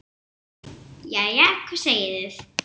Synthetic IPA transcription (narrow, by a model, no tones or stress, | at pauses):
jajakʰvḁseːjɪðɪð